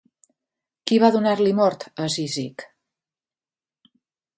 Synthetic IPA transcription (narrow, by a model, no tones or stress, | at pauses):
kiβaðunaɾlimɔɾt̪əzizik